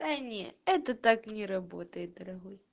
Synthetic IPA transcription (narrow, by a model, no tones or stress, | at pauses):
sanʲɛɛt̪ɐt̪aknʲɛɾabɔt̪ɐjɛt̪̚d̪ɐɾɐɣɔj